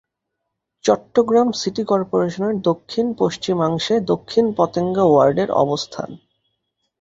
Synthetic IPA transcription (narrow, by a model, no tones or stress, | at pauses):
t͡ɕɔʈːoɡɾamsiʈikɔɾpoɾeʃoneɾd̪okʰːinpoʃt͡ɕimaŋʃed̪okʰːinpɔt̪eŋɡawaɾɖeɾɔ̰bost̪ʰa̰n